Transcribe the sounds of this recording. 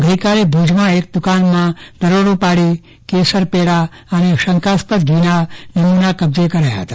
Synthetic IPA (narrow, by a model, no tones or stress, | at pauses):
ɡʱəikaɾebʱud͡ʒmãek̚d̪ʊkanmãd̪əɾoɽũpaɽi | kesəɾpeɽa | əneʃəŋkaspət̪ɡʱinanəmunakəb̚d͡ʒekəɾajaɦət̪ḁ